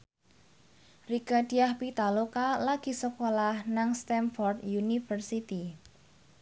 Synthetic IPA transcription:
riɡ̥a̤d̥i̤ahpit̪alokalaɡ̥i̤səkolahnaŋst̪ɛnfɔrd̪junifərsit̪i

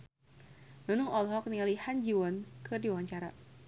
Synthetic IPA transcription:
nunʊŋɔlɦɔk̚nilihand͡ʒiwɔnkɨrdiwaɲt͡ʃaɾa̰

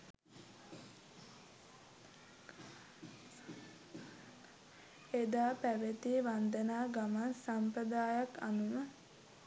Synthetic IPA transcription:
ed̪aːpæʋet̪iʋand̪ənaːɡamansampɾəd̪aːjakanuʋə

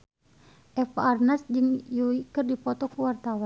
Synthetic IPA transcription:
ʔɛfarnasd͡ʒɨŋjuikɨrdipɔt̪ɔkuwart̪awan

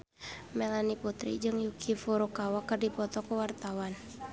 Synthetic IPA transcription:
mɛlaniput̪ɾḭd͡ʒɨŋjukʰifuɾukawakɨrdipɔt̪ɔkuwart̪awan

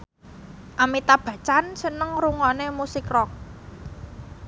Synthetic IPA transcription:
ʔamit̪ab̥a̤t͡ʃansənəŋɾuŋɔnemusɪkrɔk̚

